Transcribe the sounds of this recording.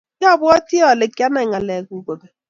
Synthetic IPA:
ɔ˦˨bʊ˦ɔ˦tɪ˦ɔ˨le˨ka˦na˨ŋa˨le˨ɡu˨ɡo˨be˨

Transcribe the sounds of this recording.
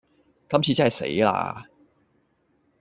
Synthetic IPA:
kɐ˥˩mt͡ɕʰiː˨˧t͡sa˥˩jsḛ˨˧˥ɪla̰˧

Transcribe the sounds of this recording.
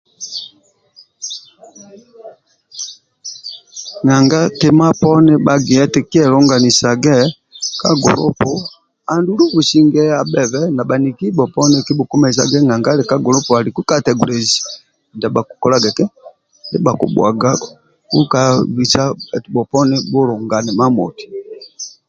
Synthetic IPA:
ŋa˨ŋɡa˦tɛ˦ma˦pɔ˦nɛ˦ɓa˨ɡi˨ɛ˦tɛ˨ki˦ɛ˦˨lɔ˦ŋɡa˨ni˨sa˨ɡɛ˦ | ka˦ɡɔ̰˨lɔ̰˦pɔ˨ | a˨ndu˦lu˦bu˨si˦ŋɡɛ˦a˨bɛ˨βɛ˦na˨ba˨ni˨ki˦bɔ˨pɔ˦nɛ˦ki˦bu˨ku˦mɛ˨s̬a̰˨ɡɛ˦ŋa˨ŋɡa˦lɛ˨ka˦ɡɔ˨lɔ˦pɔ˨a˨li˨ku˦ka˦tɛ˨ɡu˨lɛ˨zi˨ | nda˨ba˨ku̥˨kɔ˨la˦ɡɛ˨tɛ˦ | dɛ˦ba˨kṵ˨bwa̰˨ɡa˦ | ku˦ka˨βi˨sa˦ɛ˨ti˨bɔ˨pɔ˦nɛ˦bɔ˦lɔ˨ŋɡa˨nɛ˨ma˦mɔ̰˨ti̥˨

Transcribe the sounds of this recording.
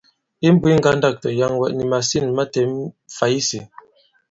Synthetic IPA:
i˦m̩˦bwi˦ŋ̩˦ɡa˦nda˦˨k̚tɔ˨ja˦ŋwɛ˨ʔni˨ma˨si˦˨nma˦tɛ˨˦mfa˨˦i˦si˨

